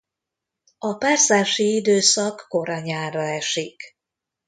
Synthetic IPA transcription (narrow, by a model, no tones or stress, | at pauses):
ɒpaːrsaːʃiid̪øːsɒkːo̞ɾɒɲaːrɒɛʃik